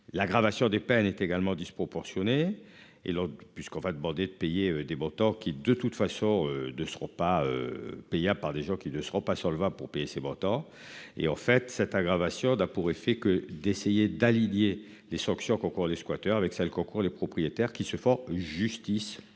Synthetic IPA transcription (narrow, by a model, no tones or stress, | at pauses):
laɡʁavasjɔ̃d̪epɛnɛt̪eɡalmɑ̃d̪ispχɔpɔʁsjɔne | ḛlɔ̃pɥiskɔ̃vad̪əmɑ̃d̪ed̪əpejeød̪emɔ̃t̪ɑ̃kʲid̪ət̪ut̪fasɔ̃ønəsəʁɔ̃paø̰pejablpaʁd̪eʒɑ̃kʲinəsəʁɔ̃pasɑ̃ləvabpuʁpejesemɔ̃t̪ɑ̃ | ḛɑ̃fɛt̪sɛt̪aɡʁavasjɔ̃napuʁefɛkəd̪esejed̪alinje | lesɑ̃ksjɔ̃kɔ̃kuʁleskwat̪œʁavɛksɛlkɔ̃kuʁlepχɔpχijet̪ɛʁkʲisəfɔ̃ʒyst̪is